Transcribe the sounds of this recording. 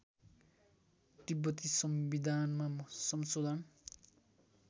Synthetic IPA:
t̪ibʌt̪isʌmbid̪ʱanmamʌsʌmsod̪ʱan

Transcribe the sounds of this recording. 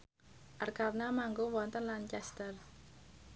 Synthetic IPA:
ʔarkarnamaŋɡowɔnt̪ənlant͡ʃɛst̪ər

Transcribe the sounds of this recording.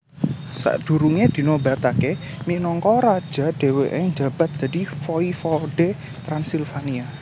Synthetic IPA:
sa̰ʔd̪̥ṳɾuŋed̪̥i̤noba̤t̪ake | minɔŋkɔɾad̥ʒ̥a̤ɖ̥e̤weʔɪŋd͡ʒa̤b̥a̤t̪̚d̪̥a̤difɔifɔɖ̥e | t̪ɾansilfania

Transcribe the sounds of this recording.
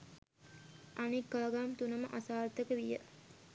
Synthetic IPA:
ʔanikːaːɡamt̪unəməʔasaːɾt̪əkəʋijə̰

